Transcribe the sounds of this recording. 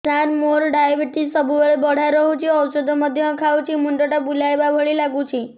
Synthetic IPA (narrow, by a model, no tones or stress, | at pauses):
t͡ʃaɾmoɾɖajʋiʈisəbʱuʋeɭbəɽ̤aɾəɦũt͡ʃʰiəwsəd̪ʱoməd̪ʱjəə̃kʰaʋut͡ʃʰimuɳʈəʈabulajbabʱəɭilaɡũt͡ʃʰi